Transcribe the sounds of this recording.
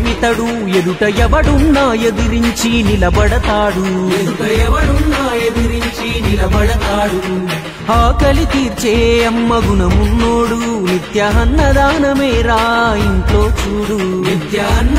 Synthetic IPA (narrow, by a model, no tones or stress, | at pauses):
mit̪ɐɽu | ed̪uʈɐjɛʋɐɽunːaːjed̪iɾiɲt͡ʃinilɐbɐɽɐt̪aːɽued̪uʈɐjɛʋɐɽunːaːjed̪iɾiɲt͡ʃinilɐbɐɽɐt̪aːɽu | aːkɐlit̪iːɾt͡ʃeɐmːɐɡunɐmunːoːɽunid̪jɐɦɐnːɐd̪aːnɐmeːɾaːiɳʈloːt͡ʃuːɽu | nid̪jɐɦɐn